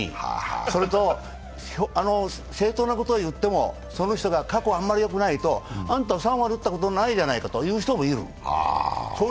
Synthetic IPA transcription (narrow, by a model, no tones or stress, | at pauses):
ḭso̞ɾe̞t̪o̞ | oano̞ | se̞ːt̪o̞ːnako̞t̪oːjɯ̟t̪ːe̞mo̞̰ | so̞no̞çi̥t̪o̞ɡakakoãmːaɾʲijo̞k̬ɯ̟nait̪o̞ãnt̪osãaɾjɯ̟t̪ːako̞t̪onnaiʑanaikat̪o̞jɯ̟ːçi̥t̪o̞mo̞iɾɯ̰ | soː